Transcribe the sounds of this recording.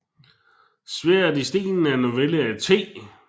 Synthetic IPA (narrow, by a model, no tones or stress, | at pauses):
sʋeɐdisd̥ḭːnn̩ænoʋeləæt͡sʰe̝̰ː